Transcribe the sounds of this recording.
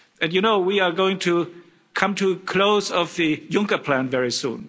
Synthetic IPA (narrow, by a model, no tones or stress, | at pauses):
ɨ̃njɨnoʊwiə˞ɡoʊɪ̃ŋtʰu | kʰʌ̃mtʰukʰl̥oʊzʌvðɨjʊ̃ŋkə˞pʰl̥æ̃nvɛɹisṵ̃n